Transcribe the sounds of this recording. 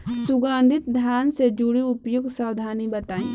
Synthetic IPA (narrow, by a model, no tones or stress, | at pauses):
suɡãnd̪ʱit̪̚d̪ʱjaːnsed͡ʒuɽiupjuɡsawd̪ʱaːnibət̪aːĩ